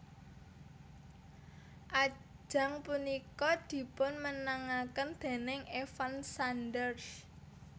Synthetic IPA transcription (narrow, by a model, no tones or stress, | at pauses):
ʔḁd͡ʒ̥a̤ŋpunikɔd̪̥i̤pʊnmənaŋakənd̪̥e̤nɪŋefansanɖərs